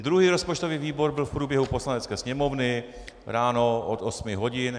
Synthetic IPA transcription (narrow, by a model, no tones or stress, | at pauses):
d̪ɾuɦiːɾo̞spot͡ʃt̪o̞viːviːbo̞ɾbɪlfpɾuːbjɛɦupo̞slanɛt͡skɛːsɲɛmo̞vnɪ | ɾaːno̞ʔo̰t̪osmɪɦo̞ɟɪn